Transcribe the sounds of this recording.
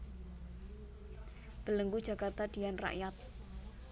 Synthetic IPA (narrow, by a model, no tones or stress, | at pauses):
b̥ə̤ləŋɡud͡ʒa̤kart̪ad̥̪i̤janra̰ʔjat̪̚